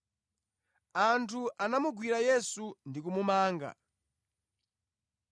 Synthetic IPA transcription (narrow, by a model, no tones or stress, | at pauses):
antʰuʔanamuɡwiɾajɛsundikumumaːŋɡa̰